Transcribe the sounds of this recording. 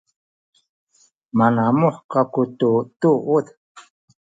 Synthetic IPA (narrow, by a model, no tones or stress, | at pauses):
manamuħkakut̪ut̪uʔut̪